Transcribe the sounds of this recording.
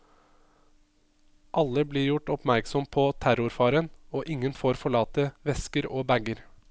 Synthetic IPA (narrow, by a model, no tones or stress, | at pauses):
ʔɑlːəbliːɾjʊʈɔpmæɾksɔmpʰɔːt̪ʰæɾʊɾfɑːɾənoːʔɪŋːənfoːɾfɔɭɑːt̪əʋɛskəɾoːbæɡəɾ